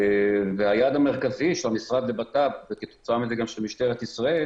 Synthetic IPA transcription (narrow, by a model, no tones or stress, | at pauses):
veajad̪ame̞ʁkaziʃelamisʁad̪lebat̪abveket̪o̥t͡saamizeɡamʃelmiʃt̪eʁet̪isʁae